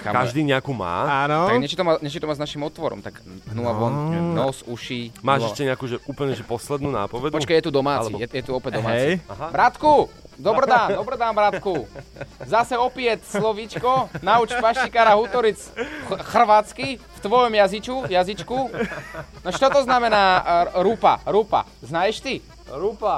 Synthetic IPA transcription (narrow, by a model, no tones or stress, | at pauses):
xa̰kaʒd̪iːɲɛakuːma̰ːanɔaɡɲɛt͡ʃit̪ɔmaɲɛt͡ʃit̪ɔmaznaʃimɔt̪ʋɔɾɔ̰mt̪aɡɦnuaʋɔnnɔsuʃimaːʃɛʃcɛɲɛakuːʒɛʔuːpl̩ɲɛʒɛpɔslɛd̪nuːna̰ːpɔʋɛd̪pɔt͡ʃkajɛt̪ud̪ɔmaːt͡sḭjɛjɛt̪uɔpɛɟ̚d̪ɔma̰ːɛt͡sijɦbɾat̪ku | d̪ɔbɾd̪aːnd̪ɔbɾd̪aːnbɾat̪ku | zasɛɔpɪɛt̪slɔʋit͡ʃkɔnaut͡ʃpaʃt͡ʃikaːɾaɦut̪ɔɾit͡sxr̩ʋaːt͡skift̪ʋɔjɔmjazit͡ʃkujazit͡ʃku | nɔt͡ʃɔt̪ɔznamɛnaːɾupa̰ɾupa̰ | znajɛʃt̪i | ɾupa